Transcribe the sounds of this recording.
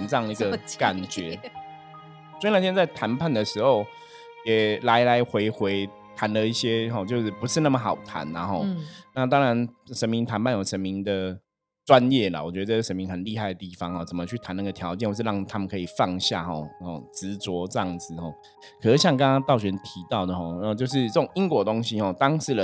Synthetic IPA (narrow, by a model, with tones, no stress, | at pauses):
nʈ͡ʂɤ˥˩ɑ˥˨ŋ˧˥ɡə˧ka˨˩nt͡ɕɥɛ˧˦ | swɔ˥˨˩na˥˩ɕjnt͡sa˥˩ɪt̪ʰa˧˥npʰa˥˩nd̪ə˩ʂɻ̩˧˥xo˥˩ʊ | jɛ˨˩la˧˥ɪla˧˥ɪxwe˧˥ɪxwe˧˥ɪ | t̪ʰa˧˥nlə˨˧i˥˩ɕjɛ˦˥xɔ˨t͡ɕjo˥˧ʂɻ̩˥˩pu˧˦ʂɻ̩˥˧na˥˩mə˨˩xɑ˨˩ʊt̪ʰa̰˧˦nla̰˨˦xɔ˥˧ʊna˥˨t̪ɑ˥ŋɻa˧˦nʂə˧˥nmi˧˥ŋt̪ʰa˧˥npʰa˥˩njo˨˩ʊʂə˧˦nmi˧˥ŋd̪ə˨ | t͡swa˦njɛ˥˩la̰˨˩wɔ˨˩t͡ɕɥɛ˧˥d̪ə˧t͡sə˥˩˧ʂə˧˦mi˧˦ŋt̪ʰa˧˦nli˥˧a˥˩ɪə˩t̪i˥˩fɑ˧˥ŋxɔ˥˩t͡sə˨˩mə˨˦t͡ɕʰy˥˩t̪ʰa˧˦na˥˩ɡə˩t̪ʰjɑ˨˦ʊt͡ɕjnwʂɻ̩˥˧˥ɑ˥˩ŋt̪ʰa˥mə˨kʰɤ˧˥i˨˩fɑ˥˧ŋɕja̰˥˨˩xɔ˨˩hɔ̰˨˩t͡sɻ̩˧˥t͡swɔ˧˥ʈ͡ʂɤ˥˧jɑ˥˩ŋd͡zɹ̩˨˩xɔ˥˩ | kʰɤ˨˩ʂ̩˥˩ɕjɑ˥˩ŋkə˥na˥t̪ɑ˥˩ʊɕɥɛ˧˥nt̪ʰi˧˥t̪ɑ˥˩ʊd̪ə˩xɔ˥˩n˥˧˩t͡ɕjo˥˧ʊʂ̬ɻ̩˥˧ə˥˩ʈ͡ʂʊ˨˩ŋi˦˥ŋkwɔ˧˥t̪o˥ŋɕi˥xɔ˥˨˩t̪ɑ˥ŋʂɻ̩˥˩lə˦